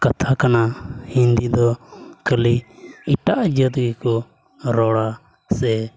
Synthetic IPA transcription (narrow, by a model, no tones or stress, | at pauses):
kat̪ʰakanahind̪id̪ɔkəliiʈaʔd͡ʒət̪ɡikɔ | ɾɔɽa | sɛ